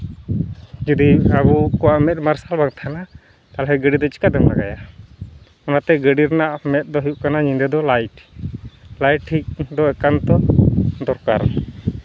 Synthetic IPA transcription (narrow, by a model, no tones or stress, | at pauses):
d͡ʒud̪iabukɔwaʔmɛt̪̚maɾsalbaŋt̪ʰana | t̪alɦɛɡəɖid̪ɔt͡ʃi̥kad̪ɛma̰ɡa̰ja | ɔnat̪ɛɡəɖiɾnaʔmɛt̪̚ˀd̪ɔɦijuʔkanaɲind̪ɛd̪ɔlajʈ | lajʈ̚ʈʰːik̚d̪ɔɛkant̪ɔd̪ɔɾkaɾ